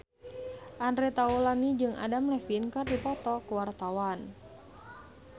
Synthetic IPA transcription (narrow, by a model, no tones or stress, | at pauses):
ʔandɾɛt̪aulanid͡ʒɨŋʔa̰damlɛfinkardipɔt̪ɔkuwart̪awan